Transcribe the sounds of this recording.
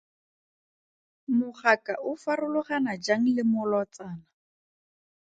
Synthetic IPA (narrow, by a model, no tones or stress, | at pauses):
mʊχakaʔʊfarʊlʊχanad͡ʒaŋ̩lɪmʊlɔt͡saːna